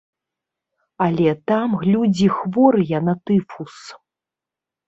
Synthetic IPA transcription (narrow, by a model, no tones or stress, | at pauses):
ɐlʲɛt̪amɣlʲud͡zʲixvɔɾɨjɐnat̪ɨfus